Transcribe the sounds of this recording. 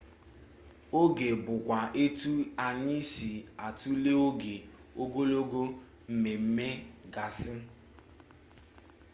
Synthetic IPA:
o˦ɡe˨bʊ˨kʷa˨ʔe˦tu˦a˨ɲɪ˦si˨a˨tu˦le˦o˦ɡe˨o˦ɡo˦lo˦ɡo˦ | m̩˦me˨m̩˦me˦ɡa˨sɪ˦

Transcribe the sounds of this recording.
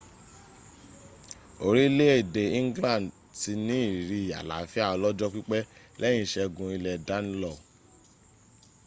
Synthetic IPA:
o˧ɾi˦le˦e˦˨de˨ĩ˦ŋ˦ɡlã˦˨n | ti˧nĩ˦i˦˨ɾi˧˨a̰˨la̰˨˦fi˦a˦˨ɔ˧lɔ˦d͡ʒɔ˦k͡pi˦k͡pɛ˦ | lɛ̃˦ĩ˧˦˨ʃɛ˧ɡũ˧i˧lɛ˨da˦n˦lɔ˦˨

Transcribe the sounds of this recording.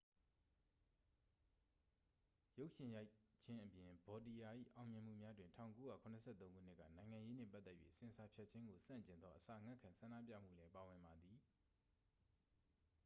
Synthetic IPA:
jo˦ʊʔʃɪ̃˨ja˦ɪt͡ɕʰɪ̃˦ʔəpjɪ̃˨bɔ˨t̬i˨ja˨ʔḭ˦˨ʔã˨ʊ̃mjɪ̃˨m̥ṵ˦˨mja˦dwɪ̃˨ntʰã̰˦˨ʊ̃ŋko˦ja̰˦˨kʰʊ̃˨nəsʰɛ̰˦˨t̪õ˦ŋɡṵ˦˨n̥ɪ˦ʔkːä̰˦˨nã˨ɪ̃ŋã˨je˦nɛ̰˦˨pa˦t̪ːɛ˦ʔjɥḛ˦˨əsɪ̃˨əsa˨pʰja˦ʔt͡ɕʰɪ̃˦ŋɡo˨sã̰˦˨ɲt͡ɕɪ̃˨nd̪ðɔ˦ʔəsa̰˨əŋã˦˨kʰã˨nsʰã˨ndä̰˦˨p̬ja̰˦˨m̥ṵ˦˨lɛ˦pa˨wɪ̃˨mba˨d̪i˨

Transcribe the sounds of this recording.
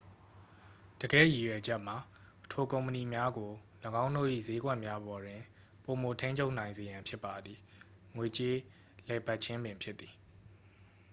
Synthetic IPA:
d̥əɡɛ̰˦˨ji˨jwɛ˨d͡ʑɛ˦ʔm̥a˨ | tʰo˨kõ˨ʊ̃mpəni˨mja˦ɡo˨ | ləɡã˦ʊ̃ndo̰˦˨ʔḭ˦˨ze˦ɡwɛ˦ʔmja˦bɔ˨dwɪ̃˨ | po˨mo˨tʰẽ˦ɪ̃ɲt͡ɕʰo˦ʊʔnã˨ɪ̃nze˨jã˨mpʰjɪ˦pːa˨d̪ði˨ | ŋwe˨t͡ɕe˦ | lɛ˨ba˦ʔt͡ɕʰɪ̃˦mbɪ̃˨mpʰjɪ˦t̪t̪θi˨

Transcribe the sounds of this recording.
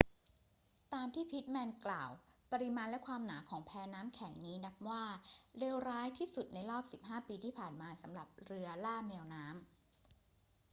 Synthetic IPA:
t̪aː˧mt̪ʰiː˥˩pʰi˦˥t̪̚mɛː˧nklaː˨˩wpa˧ɾi˧maː˧nlɛ˦˥ʔkʰwaː˧mnaː˩˦kʰɔː˩˦ŋpʰɛː˧naː˦˥mkʰɛ˩˦ŋniː˦˥na˦˥p̚waː˥˩leː˧wɾaː˦˥jt̪ʰiː˥˩su˨˩t̪̚na˧jɾɔː˥˩p̚si˨˩p̚ɦaː˥˩piː˧t̪ʰiː˥˩pʰaː˨˩nmaː˧sa˩˦mɾa˨˩p̚ɾɯ˧ɐlaː˥˩mi˧əwnaː˦˥m

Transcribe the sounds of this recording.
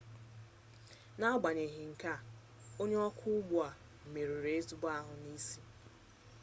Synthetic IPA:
na˦ɡ͡ba˨ɲe˨ɦi˨ŋ̩˨ka˦˨ | o˦ɲe˦ɔ˦kʰʊ˦ʊ˦ɡ͡bʊ˦a˨ | m̩˨me˨ɾu˨ɾe˨˦e˦tu˦ba˦ɦʊ˨ni˦si˦

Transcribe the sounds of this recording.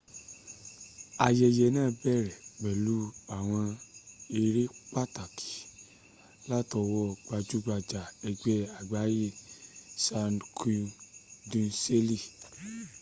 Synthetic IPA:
a˧jɛ˧jɛ˧nã˦˨bɛ˦˨ɾɛ˨ɡ͡bɛ˨lu˨˦a˨w̃ɔ̃˧e˧ɾe˦k͡pa˦ta˨ki̥˨ | la˦tɔ˧wɔ˦ɡ͡ba˧d͡ʒu˦ɡ͡ba˧d͡ʒa˨ɛ˧ɡ͡bɛ˦a˨ɡ͡ba˨˦ji˦sa˧nkʰu˧dũ˧nse˦li˦˨

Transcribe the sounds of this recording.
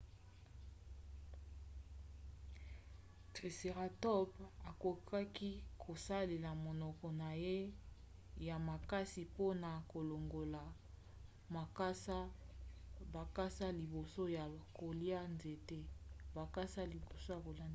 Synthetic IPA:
tʁe˨se˨ʁa˨tɔ˦ba˨ko˨kʰa˦ki˦kʰo˨sa˦le˨la˨mo˨nɔ˨kɔ˨na˨je˦ | ja˨ma˨ka˦si˨po˦na˨ko˨lo˨ŋɡo˨la˨ | ma˨ksa˦ | ba˨ka˦sa˦li˨bo˨so˦ja˨ko˨li˦a˦nze˨te˦ba˨ka˦sa˦li˨bo˨so˦ja˨ko˨la˦n˦

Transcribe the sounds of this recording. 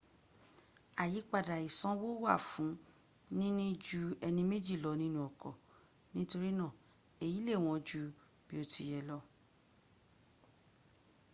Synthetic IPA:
a˨ji˨˦k͡pa˦˨da˨i˨sɔ̃˦wo˦wa˦˨fũ˨˦ | nĩ˦nĩ˦d͡ʒu˧˦ɛ˧nĩ˧me˦d͡ʒi˦˨lɔ˨˧nĩ˦nũ˦ɔ˨kɔ˨ | nĩ˦to˧ɾi˦nã˦˨ | e˨ji˨˦le˦˨w̃ɔ̃˧d͡ʒu˧ | b̥i˦o˧tʰi˧jɛ˧lɔ˦

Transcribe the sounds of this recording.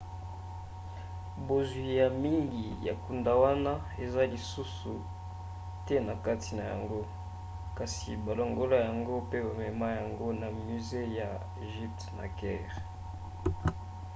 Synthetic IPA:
bo˨zwi˨ja˨mi˦ŋɡi˨ja̰˨ku˨nda˨wa˦na˦ | e˨za˦li˨su˦su˨ | tɛ˦na˨ka˦ti˨na˨ja̰˨ŋɡo˦ | ka˨sḭ˨ba˨lo˨ŋɡo˦la˦ja˨ŋɡo˦pe˦ba˨mɛ˨ma˦ja˨ŋɡo˦na˨my˨ze˦ja˨ | e˨ʒi˦p̚tna̰˨kɛː˦ʁ

